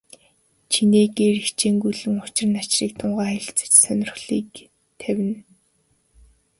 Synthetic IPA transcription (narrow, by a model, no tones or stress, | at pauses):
t͡ɕʰineːɡeːɾikt͡ɕʰeːŋɡujɮɘ̆ŋʊt͡ɕɪ̆r̆nat͡ɕriːk̚t̪ʰʊɴʁaːχeɮt͡sɘ̥̆t͡ɕsœnʲɪ̆r̆χɮiːk | t̪ʰæwʲɘ̆n